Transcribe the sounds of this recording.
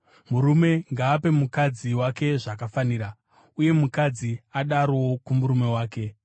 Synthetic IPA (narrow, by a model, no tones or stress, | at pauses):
muɾume̞ŋɡaːpe̞mukad͡ziwake̞ʐakafaniːɾa | uje̞mukad͡ziaɗaɾwo̞kumuɾume̞waːke̞